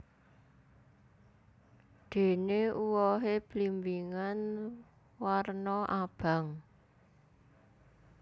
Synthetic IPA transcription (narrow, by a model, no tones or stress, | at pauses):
d̪̥e̤neuwɔɦeb̥limbiŋan | warnɔʔab̥a̤ŋ